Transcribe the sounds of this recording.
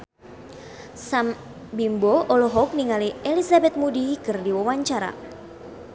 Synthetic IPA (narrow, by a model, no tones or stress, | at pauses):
sam | bimboɔlɔɦɔk̚niŋalielisabɛt̪̚mudikɨrdiwawaɲt͡ʃaɾa̰